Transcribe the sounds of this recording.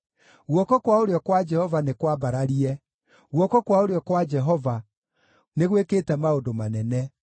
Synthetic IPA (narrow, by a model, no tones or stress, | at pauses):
ɣwɔkɔkwaoɾeɔkwad͡ʒɛhɔvanekwabaɾaɾiɛ | ɣwɔkɔkwaoɾeɔkwad͡ʒɛɦɔva | neɣweketɛmaodomanɛnɛ